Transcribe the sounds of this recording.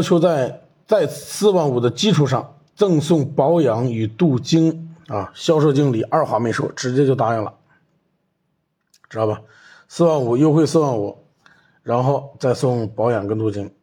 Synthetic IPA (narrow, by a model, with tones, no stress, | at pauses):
t͡ɕʰjo˧˥ʊt͡sa˥˧ɪ | t͡sa˥˧ɪsɹ̩˥˧wa˥˩nu˨˩d̪ə˦t͡ɕi˥ʈ͡ʂʰu˨˩ʂɑ˥˧ŋ | t͡sɤ˥˧ŋsʊ˥˩ŋpɑ˧˥ʊjɑ˧˥ŋy˨˩t̪u˥˩t͡ɕi˥ŋa˧ɕjɑ˥ʊʂ̬o˥˧t͡ɕi˥ŋli˨˩˦ʔɐ˞˥˩xwa˧˥me˧˥ɪʂwɔ̰˥ʈ͡ʂɻ̩˧˥t͡ɕjɛ˥t͡ɕjo˥˩ʊt̪a˧˥ɻə˥˩ŋlə̰˩ | ʈ͡ʂɻ̩˧˥t̪ɑ˥˩bɐ˨˩ | sɹ̩˥˧wa˥˩nu˨˩jo˥˧ʊxwe˥˧ɪsɹ̩˥˧wɑ˥˩nu˨˩˦ | ɻa˧˥nxo˥˧ʊt͡sa˥˧ɪsʊ˥˩ŋpɑ˧˥ʊjɑ˨˩ŋkə˥nt̪u˥˩t͡ɕi˥ŋ